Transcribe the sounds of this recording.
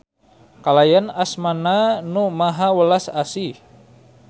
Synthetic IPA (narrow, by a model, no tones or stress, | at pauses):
kalajanasmananumaɦawəlasasi